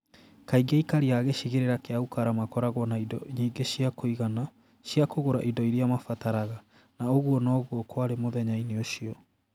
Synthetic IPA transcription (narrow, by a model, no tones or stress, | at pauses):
kaiɡeikaɾiaːɣeɕiɣeɾeɾakeaukaɾamakɔɾaɣwɔnaidɔ̰ɲiːɡeɕiakoiɣana | ɕiakoɣoɾaʔidɔiɾiamafataɾaɣa | naoɣwɔnɔɣwɔkwaɾemoðɛɲaineoʃiɔ